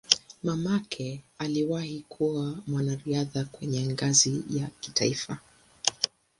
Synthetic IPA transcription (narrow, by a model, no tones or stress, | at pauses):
mamakʰɛaliwahikʰuamwanaɾiaðakwɛɲɛŋɡazijaki̥taifa